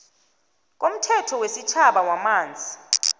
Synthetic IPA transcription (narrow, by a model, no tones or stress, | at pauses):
k̬ʼom̩tʰɛtʰɔwesit͡ʃʰaɓawamaːnd͡zʱi